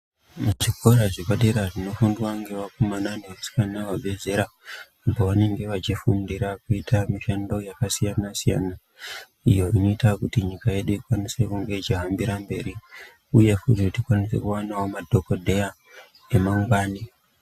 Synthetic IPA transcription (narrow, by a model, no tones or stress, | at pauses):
ʐiko̞ɾaʐikaɗeɾaʐino̞fundwaŋɡe̞ʋakomananeusi̥kanawaɓʱe̞ze̞ɾaː | po̞ʋane̞ŋɡe̞ʋat͡ʃifundiɾakuitʰamiʃando̞jakasijanasija̰ːna | ijo̞ino̞itakutiɲikaje̞ɗuikwanise̞kuŋɡe̞t͡ʃiɦambiɾambe̞ɾi | uje̞futitikwanise̞̰kuwanawo̞madʱo̞ko̞dʱe̞a | emauŋɡwaːni